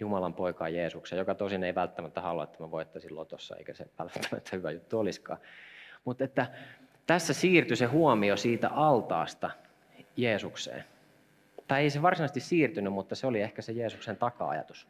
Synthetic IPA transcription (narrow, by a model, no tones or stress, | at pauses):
jumɑlɑmpoikɑ̰ːjeːsukseːjjokɑt̪osineiʋælt̪ːæmæt̪ːæhɑluɑ̰et̪ːæmæʋoit̪ːɑsilːo̰t̪osːɑ̰ḛikæsḛʋæ̰lt̪ʰːæ̥mæ̰t̪ʰːæhyʋæ̰jut̪ːuoliskɑ̰ːmut̪et̪ːæ | t̪æsːæsiːrt̪ysehuomiosiːt̪æ̰ʔɑlt̪ɑ̰ːst̪ɑ | jeːsuksḛːn | t̪ɑieiseʋɑrsinɑst̪issiːrt̪ynymmut̪ːɑseoliehkæsejeːsuksent̪ɑkɑ̰ɑ̰jɑ̰t̪u̥s